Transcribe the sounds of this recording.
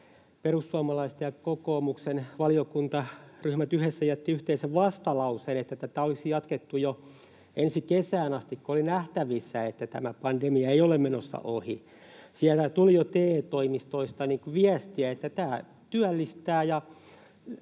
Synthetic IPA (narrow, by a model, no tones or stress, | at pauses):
perusːuɑmɑlɑist̪eɑkokoːmuksenʋɑliokunt̪ɑryhmæt̪yhesːæjæt̪ːiyht̪eiseʋʋɑst̪ɑlɑusenet̪ːæt̪æt̪æolisijɑt̪ket̪ːujo | ensikesæːnɑst̪ikkoolinæht̪æʋisːæet̪ːæt̪æ̰mæpɑndemiɑeiolemmenosːɑ̰ʔohi | siælt̪æt̪ulijot̪eːt̪oimist̪oist̪ɑniːŋkuʋiæst̪iæet̪ːæt̪æː | t̪yælːist̪æːjɑ